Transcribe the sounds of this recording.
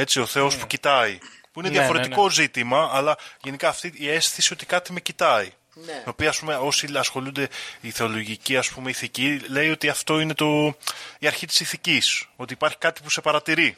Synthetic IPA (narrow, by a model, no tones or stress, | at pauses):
e̞t͡ssio̞θe̞o̞spucit̪ɐi | puineðjɐfo̞ɾet̪iko̞zit̪imɐːlɐʝe̞nikɐːft̪iie̞sθisio̞t̪i̥kɐt̪ime̞cit̪ɐi | me̞opiɐːspumeo̞siɐsxo̞lund̪e̞iθe̞o̞lo̞ʝiciɐspume̞iθicile̞jo̞t̪iɐft̪o̞ine̞t̪o̞iɐɾçit̪i̥siθiciso̞t̪iːpɐɾçi̥kɐt̪i̥pu̥se̞pɐɾɐt̪iɾi